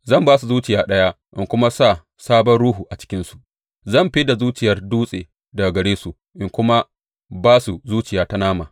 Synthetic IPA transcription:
zɐ˦˨mbaː˦s̬u˨zuː˦t͡ʃɪ˨jaː˦ɗɐ˦ja˦ | ʔɪ˦˨ŋkʷʊ˦ma˦sa˦˨ | saː˦bɔ˦nɽuː˦ɦuː˨ʔa˨t͡ʃɪ̥˦kʲɪ˦nsu̥˨ | zɐ˦˨mɸi˦da˨zuː˦t͡ʃɪ˨jɐ˦rduː˦sʼeː˨ | da˨ɡɐ˨ɽeː˦su˨ | ʔɪ˨ŋkʷʊ˦ma˦ | baː˦su˨zuː˦t͡ʃɪ˨jaː˨˦ta˦naː˦maː˨

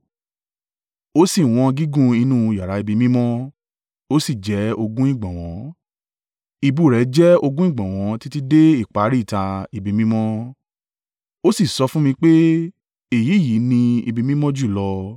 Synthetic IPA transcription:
o˦si˦˨w̃ɔ̃˧ɡi˦ɡũ˦˧i˧nũ˦˧˨ja˨ɾa˨˦i˧bi˧mĩ˦mɔ̃˦ | o˦si˦˨d͡ʒɛ˨˦o˧ɡũ˦ĩ˦˨ɡ͡bã˨w̃ɔ̃˨˦ | i˧bu˦˨ɾɛ˨˦d͡ʒɛ˦o˧ɡũ˦ĩ˦˨ɡ͡bã˨w̃ɔ̃˨˦ti˦ti˦de˦i˦˨k͡pa˨˦ɾi˦˨ta˧i˧bi˧mĩ˦mɔ̃˦ | o˦si˦˨sɔ˧fũ˦mĩ˧k͡pe˦ | e˨ji˨˦˨ji˨˦nĩ˧ḭ˧bi˧mĩ˦mɔ̃˦d͡ʒu˦˨lɔ˧

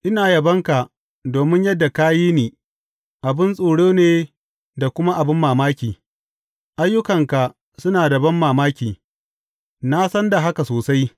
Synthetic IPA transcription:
ʔɪ˦naː˨jɐ˨bɐ˦ŋka˨ʔ | doː˨mɪ˦ɲjɐ˦dːa˨kaː˦jiː˦niː˨ | ʔa˨bɪ˦nsʼoː˨ɽoː˦neː˨ | da˨kʷʊ˦ma˦ʔa˨bɪ˦mːaː˨maː˦kʲiː˨ | ʔa˦jːʊ˦kɐ˨ŋka˨ | sʊ˦naː˨dɐ˨bɐ˦mːaː˨maː˦kʲiː˨ | na˦sɐ˦nda˨ɦa˦ka˨soː˨sa˦j

